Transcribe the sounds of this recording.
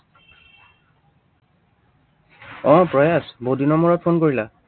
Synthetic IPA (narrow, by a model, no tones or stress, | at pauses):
ɔ̃pɹɔjasbodinɔmuɹɔt̚pʰonkoɹila